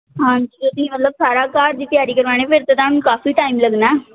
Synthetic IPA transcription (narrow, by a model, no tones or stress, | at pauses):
ɦãːd͡ʒiket̪ĩːmət̪ləbsaːɾaːkaːɾd̪iːt̪ɪjaːɾiːkəɾʋaːñeːpʰɪɾt̪et̪ãːnũːkaːfiːʈaːimləɡnaː